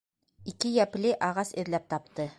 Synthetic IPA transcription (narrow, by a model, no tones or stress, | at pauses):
ikɘjæpliʔɑʁɑsɘ̆ðlæp̚t̪ɑp̚t̪ɤ